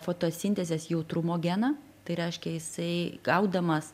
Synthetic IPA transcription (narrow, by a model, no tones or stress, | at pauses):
foːt̪oːsʲɪnʲt̪ʲɛzʲesjɛʊt̪ɾʊmoːɡʲænɐ | t̪ɐɪɾʲɛɪʃʲkʲɛjɪsɐɪɡɐʊd̪ɐmɐs